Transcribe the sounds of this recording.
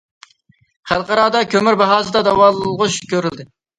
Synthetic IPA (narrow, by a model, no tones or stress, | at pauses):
χælˠqɑɾɑːd̪ɑkʲʰømyɾbɑɦɑːzɨd̪ɑd̪ɑwɑːlˠɨlˠʁʊt͡ʃkʲøɾyld̪ɪ